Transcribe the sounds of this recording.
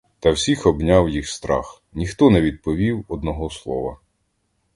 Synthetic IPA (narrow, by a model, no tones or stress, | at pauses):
t̪ɐwsʲixɔbnʲawjixst̪ɾɑ̰x | nʲixt̪ɔnɛʋʲid̪̚pɔʋʲiwɔd̪nɔɦɔslˠɔ̰ʋɐ̰